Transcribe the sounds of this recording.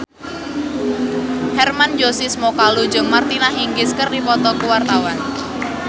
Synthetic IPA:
hɛrmand͡ʒosismɔkalu̥d͡ʒɔŋmart̪inaɦiŋɡɪskərdifɔt̪ɔkuwart̪awan

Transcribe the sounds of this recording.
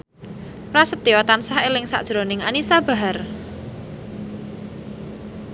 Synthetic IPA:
rasət̪̚iɔt̪ansahelɪŋsa̰ʔd̥ʒ̥ɾonɪŋanisab̥a̤ɦar

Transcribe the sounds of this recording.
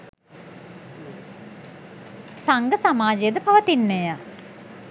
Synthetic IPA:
saŋɡəsamaːd͡ʒejəd̪əpaʋət̪inːeja

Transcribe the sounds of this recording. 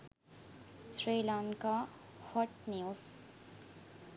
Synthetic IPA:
sɾelankahɔʈ̚niws

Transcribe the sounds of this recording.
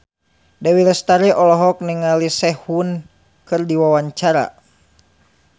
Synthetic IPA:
dawiɾɛst̪aɾiʔɔlɔɦɔk̚niŋalisɛhun | kɨrdiwawaɲt͡ʃaɾa̰

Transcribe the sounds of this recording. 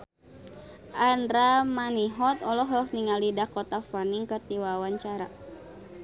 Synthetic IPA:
andɾamaniɦɔt̪ɔlɔɦɔhniŋalidakɔt̪afaniŋkɨrt̪iwawaɲt͡ʃaɾa

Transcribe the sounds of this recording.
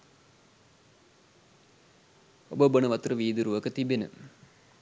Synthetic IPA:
obəbənɐʋɐt̪rəʋiːd̪uɾuʋɐkət̪ibenə̰

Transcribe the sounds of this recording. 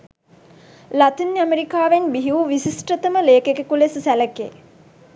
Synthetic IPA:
lat̪inameɾikaːʋenbiɦiuʋisisʈət̪əməleːkekekulessæləkḛː

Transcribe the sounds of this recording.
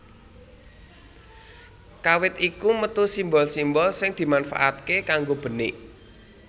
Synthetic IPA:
kawɪt̪̚ikumət̪usimbɔlsimbɔlsɪŋd̪̥i̤manfa̰ʔa̰t̪̚kekaŋɡob̥ə̤nɪ̰ʔ

